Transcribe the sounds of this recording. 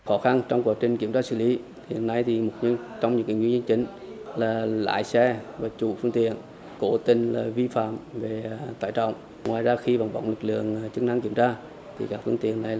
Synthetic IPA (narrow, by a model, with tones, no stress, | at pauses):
xɔ˨˦xa˧nt͡ɕɔ˧wŋ͡mkwaː˨˩t͡ɕï˨˩ŋ̟ki˧˩əmt͡ɕaː˧sɨ˧˩li˨˦ | hḭ˧˨ənːa˧jt̪ʰi˨˩mo˨˩t̚ɲ˧t͡ɕɔ˧wŋ͡mɲɨ̰˧˥ŋkḭ˧˦ŋwɲə˧nt͡ɕï˨˦ŋ̟ | laː˨˩la̰ː˧˨jsɛ˧vaː˨˩t͡ɕu˨˧˩fɨ˧əŋt̪ḭ˧˨ən | ko˧˦t̪ï˧˩nlaː˨˩vi˧fa̰ː˧˨mve˨˩t̪aː˧˩jt͡ɕə̰˧˨wŋ͡m | ŋwaː˨˩jzaː˧xi˧va˨˩wŋ͡mɓa̰˧˦wŋ͡mlɨ˨˩k̚lɨ̰˧˨əŋt͡ɕɨ˦˥k̚na˧ŋki˧˩əmt͡ɕaː˧ | t̪ʰi˨˩kaː˦˥k̚fɨ˧əŋt̪ḭ˧˨ənːa˨˩jl